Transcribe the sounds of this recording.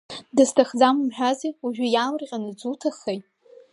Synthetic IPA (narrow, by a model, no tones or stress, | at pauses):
dɨstʰaχd͡zammħᶣaziuʒᶣʷʊjamrqʲʼanɨd͡zutʰaχejtʼ